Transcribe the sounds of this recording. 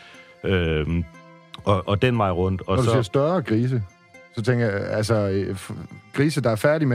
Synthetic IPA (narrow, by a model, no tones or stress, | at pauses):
ø | ɒʔɒd̥enʋɑ̈ɪʁɔ̽n̰d̥ɒ̽nɒdusiɐsd̥ɶɐkʰʁiːs̬ə | sɒ̽t͡sʰeŋɡ̥ɐjaælsɒfɡ̥ʁiːsəd̥ɑ̈æɐfæɐɾ̥ime